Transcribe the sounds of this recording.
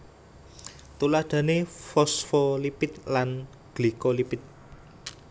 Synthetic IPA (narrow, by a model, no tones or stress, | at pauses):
t̪ulad̪̥a̤nefɔsfɔlipɪt̪̚lan | ɡ̥likolipɪt̪̚